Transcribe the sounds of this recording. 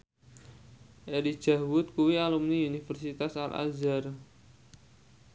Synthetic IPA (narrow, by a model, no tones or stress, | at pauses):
ʔeɾi̥ʒ̥a̤wʊt̪̚kuwialumniunifərsit̪asa̰lʔa̰zar